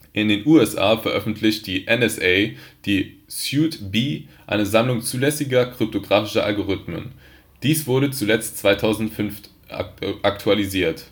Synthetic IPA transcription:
ʔɪndeːnʔuːɛsʔa̰ːfɛɐʔœfn̩tʰlɪçt̚d̥iːʔɛnɛsʔɛɪd̥iːsjuːtbiːʔa̰ɪnəzamlʊŋt͡suːlɛsɪɡɐkʁ̥ʏp̚tʰoɡʁaːfɪʃɐʔalɡoʁʏtmə̰n | d̥iːsv̥ʊɐɾət͡sulɛt͡stt͡sv̥aɪtʰaʊzn̩tfʏnf | ʔaktʰualiziːɐt

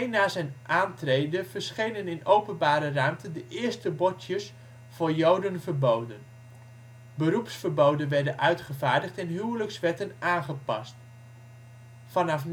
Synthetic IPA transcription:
jnaːzɛjnʔaːntrejdəv̥əɹsχejnənɪnowpənbaːɾəramtəndəʔɪːɹstəbɔtjəs | vʊːɹjowdənvəɹbowdən | bəɾupsfəɹbowdənʋɛɹdənʔœɥtχəvaːɹdəχtɛnɦywləksʋɛɹtənʔaːnχəpɑ̰st | fɑnɑfn

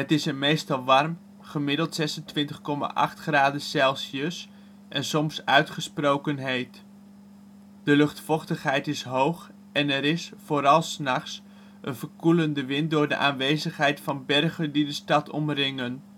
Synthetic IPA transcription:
ɦətɪsənmejstɑlˠʋɑrm | χəmɪdəlˠtsɛsəntʋɪntəχkɔma̰ʔɑ̰χtχraːdəsɛlˠsəs | ʔɛnsɔmsœɥtχəsprowkənɦejt | d̥əlɵχtfɔχtəχɦɛjtɪsɦowχ | ɛnɛɾɪsfoːɾɑlˠsnɑχs | ənvəɹkuləndəʋɪnt̚dʊːɹdə̰ʔaːnʋejzəχɦɛjtfɑnbɛrχəndidəstɑtɔ̰mrɪŋən

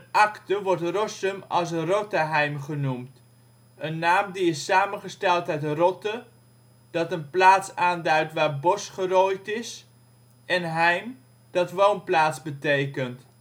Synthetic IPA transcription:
ənɑktəʋɔrtrɔsəmɑ̰lˠsrotəɦɛjmχənumt | ənːaːmdiɪsaːmənχəstɛlˠtɛɥtrɔtə | d̥ɑtənplaːtsaːndœɥtʋaːɹbɔsχərojtɪs | ɛnɦɛjm | d̥ɑtʋownplaːtzbətejkənt

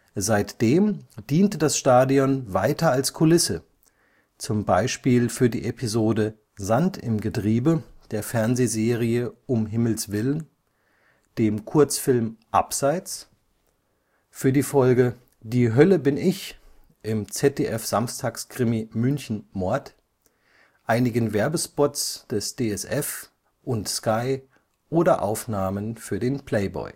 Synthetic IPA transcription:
zaɪtd̥eːmd̥iːntədasʃtaːdiɔnvaɪtɐalskʰʊlɪsə | t͡sʊmbaɪʃpiːlfyːɐdḭːʔepʰizoːdə | zantɪmɡətʁ̥iːbəd̥eːɐfɛɐnzeːzeːʁ̞iəʔʊmɦɪml̩sv̥ɪlən | d̥eːmkʰʊɐt͡sfɪlmʔa̰pz̥aɪt͡s | fyːɐdiːfɔlɡə | diːɦœləbɪnɪç | ʔɪmt͡sɛt̚eːʔɛfz̥amstʰaːkskʁ̥ɪmimʏnçn̩mɔɐt | ʔaɪnɪɡən̩vɛɐbəspɔtt͡sd̥ɛsd̥eːɛsʔɛf | ʔʊntskaɪ | ʔoːdɐʔa̰ʊfnaːmənfyːɐdeːnpʰl̥ɛɪbɔ̰ʏ

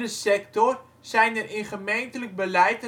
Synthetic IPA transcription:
dəsɛktɔr | z̥ɛjnəɾɪnχəmejntələɡ̚bəlɛjtə

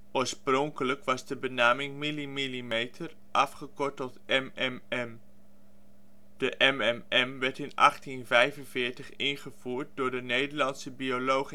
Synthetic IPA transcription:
ʔoːɹsprɔŋkələkʋɑzdəbənaːmɪŋmilimilimejtʰər | ʔɑfχəkɔɹtɔlˠtʔɛmɛmɛm | d̥əʔɛmɛmɛmʋɛɹtɪnʔɑ̰χtinvɛjvənvɪːɹtəχɪnχəv̥uːɹt̚dʊːɹdənejdəɹlɑnsəbiolowχ

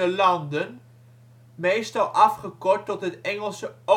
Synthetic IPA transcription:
əlɑndən | mejstɑlˠʔɑfχəkɔɹtːɔtɦətɛŋəlˠsəo

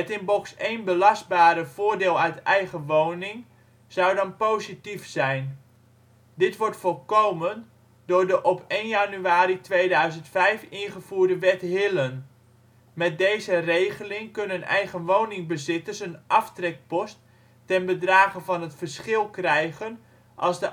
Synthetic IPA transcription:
ɛtɪnbɔksejnbəlɑst̚baːɾəv̥ʊːɹdɪːlˠœɥtɛjχəʋownɪŋ | z̥ɑwdɑnpowzitifsɛjn | dɪtʋɔɹtfɔlˠkowmən | dʊːɹdəʔɔpejnjanyaːɾitʋejdœɥzəntfɛjfɪnχəv̥uːrdəʋɛtɦɪlən | mɛt̚dejzərejχəlɪŋkɵnənɛ̰jχənʋownɪŋbəzɪtərsənʔɑftrɛk̚pɔstː | ɛnbədraːχənvɑnɦətfərsχɪlˠkrɛjχən | ʔɑ̰lˠzdə

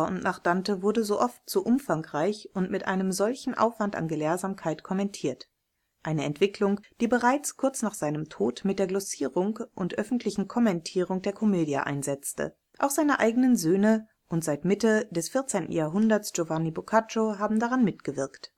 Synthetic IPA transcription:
ʊntnʔaχd̥antəvʊɐdəzoːʔɔftz̥oːʔʊmfaŋkʁaɪçʔʊntmɪtʔa̰ɪnəmzɔlçn̩ʔa̰ʊfv̥anta̰nɡəleːɐzaːmkʰaɪtkʰɔmɛntʰiːɐt | ʔaɪnəɛntv̥ɪklʊŋd̥iːbəʁaɪt͡skʰʊɐt͡snaːχz̥aɪnəmtʰoːtmɪtd̥eːɐɡlɔsiːʁʊŋkʔʊntʔœfn̩tʰlɪçn̩kʰɔmɛntʰiːʁʊŋd̥eːɐkʰɔmeːdja̰ʔa̰ɪnzɛt͡stə̰ | ʔaʊxz̥aɪnəʔaɪɡənənzøːnə | ʔʊntz̥aɪtmɪtədɛsfɪɐt͡seːntn̩jaːɐɦʊndɐsʒ̥ovanibokʰat͡ʃoɦaːbm̩daʁanmɪtɡ̥əvɪɐkt

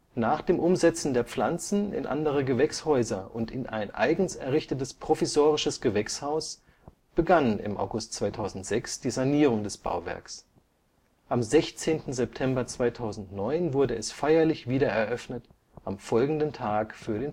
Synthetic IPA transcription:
naːχd̥eːmʔʊmzɛt͡sn̩deːɐp͡flant͡sn̩ɪ̰nʔa̰ndəʁ̞əɡəvɛkshɔʏzɐʔʊntɪnʔa̰ɪnʔa̰ɪɡŋ̩sɛɐʁɪçtətəspʁ̥ofisoːʁɪʃəsɡ̥əvɛkshaʊs | b̥əɡanɪ̰mʔa̰ʊɡʊstt͡sv̥aɪtʰaʊzn̩tz̥ɛksd̥iːzaniːʁ̞ʊŋdɛsb̥a̰ʊvɛ̰ɐks | ʔamzɛçt͡seːntn̩zɛp̚tʰɛmbɐt͡sv̥aɪtʰaʊzn̩tnɔʏnvʊɐdəɛsfaɪɐlɪçv̥iːɾɐɛɐʔœfnət | ʔamfɔlɡŋ̩dəntʰaːkfyːɐɾeːn

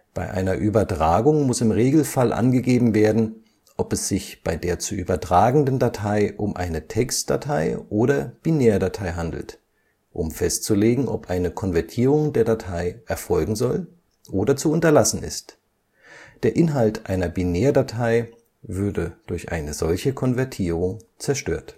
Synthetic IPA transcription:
b̥aɪʔa̰ɪnɐʔyːbɐtʁ̥aːɡʊŋmʊsɪmʁeːɡl̩falʔa̰nɡəɡeːbm̩veːɐdn̩ | ʔɔpɛsz̥ɪçb̥aɪdeːɐt͡suʔyːbɐtʁ̥aːɡŋ̩dndatʰaɪʔʊmʔa̰ɪnətʰɛkstd̥a̰tʰaɪʔoːɾɐb̥ineːɐdatʰaɪɦandl̩t | ʔʊmfɛstt͡suleːɡŋ̩ʔɔ̰pʔaɪnəkʰɔnvɛɐtʰiːʁ̞ʊŋdeːɐdatʰaɪʔɛɐfɔlɡŋ̩zɔl | ʔoːdɐt͡suʊntɐlasn̩ɪ̰st | d̥eːɐʔɪnɦaltʔaɪnɐbineːɐdatʰaɪ | vʏɐdəd̥ʊɐçʔa̰ɪnəzɔlçəkʰɔnvɛɐtʰiːʁʊŋt͡sɛɐʃtø̰ːɐt

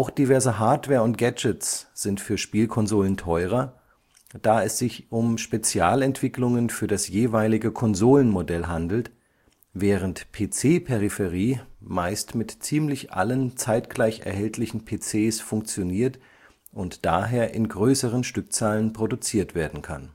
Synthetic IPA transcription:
ʔaʊxd̥ivɛɐzəɦaɐtv̥ɛːɐʊnt̚ɡ̥ɛd͡ʒətt͡sz̥ɪntfyːɐʃpiːlkʰɔnzoːləntʰɔʏʁ̞ɐ | d̥aːɛsz̥ɪçʔʊmʃpet͡sjaːlɛntv̥ɪklʊŋənfyːɐdasjeːvaɪlɪɡəkʰɔnzoːlənmodɛlɦandl̩t | vɛːʁ̞əntpʰeːt͡seːpʰeʁifɛʁ̞iːmaɪstmɪtt͡siːmlɪçʔa̰lənt͡saɪtɡ̥laɪçɛ̰ɐɦɛltʰlɪçn̩pʰeːt͡seːsfʊŋk̚t͡sjoniːɐt | ʔʊntd̥aːɦeːɐʔɪnɡʁøːsəʁ̞ənʃtʏk̚t͡saːlənpʁ̥odut͡siːɐtv̥eːɐdn̩kʰa̰n

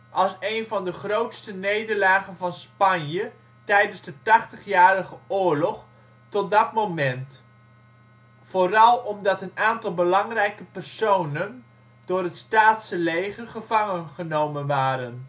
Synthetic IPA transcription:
ʔɑlˠsejnvɑndəχrowtstənejdəɹlaːχənvɑnspɑnjə | tɛjdənzdətɑχtəχjaːɾəχəʊːɹlɔχ | tɔt̚dɑtmowmɛnt | foːrɑlˠɔmdɑtənaːntɑlˠbəlɑŋrɛjkəpɛrsownən | dʊːrɦətstaːtsəlejχərχəvɑŋənχənowmənʋaːɾən

